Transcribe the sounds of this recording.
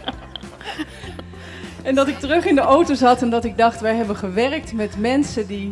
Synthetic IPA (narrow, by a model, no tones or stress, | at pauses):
ɛndɑtɪk̚tərɵχɪndəʔowtowzɑtɛndɑtɪɡ̚dɑχtʋɛjɦɛbənχəʋɛrk̚tmɛtmɛnsədi